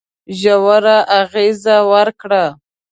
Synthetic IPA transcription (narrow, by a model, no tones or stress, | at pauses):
ʒawaɾaʔaɣezawəɾkɽa